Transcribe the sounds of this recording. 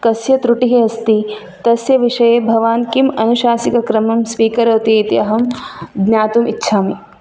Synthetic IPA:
kɐsjɐt̪ɾuʈiɦiɐst̪i | t̪ɐsjɐʋiʃɐjeːbʱɐʋaːnkimɐnuʃaːsikɐkɾɐmɐmspiːkɐɾoːt̪it̪iɐɦɐmɡ̪njaːt̪umitːʃʰaːmi

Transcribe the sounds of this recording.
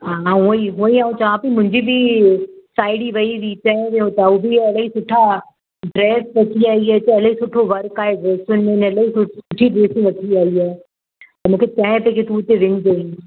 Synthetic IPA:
ɦãːɦuiɦuiaːõt͡ɕɐʋ̤ãpimʊ̃ɦɪ̃ɲd͡ʑibʱi | saːɪɽiʋɐiʋit͡ɕɐ̃ɦɪ̃ʋeõt̪aubʱiɐlaɦisʊʈʰa | ɖɾɛːsʋɐʈʰiaːiɦaːt͡ɕɐlɐɦisʊʈʰoʋɐɾkaːɦeɖɾɛːsʊnmẽnɐlaɦisʊsʊʈʰiɖeːsĩʋɐʈʰiaːiaː | t̪ɐmũːkʰet͡ɕɐ̃ɦɪ̃peket̪uːt̪eʋɪɲd͡ʒɐĩ

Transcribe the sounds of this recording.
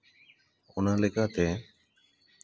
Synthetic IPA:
ɔnalɛkat̪ɛ

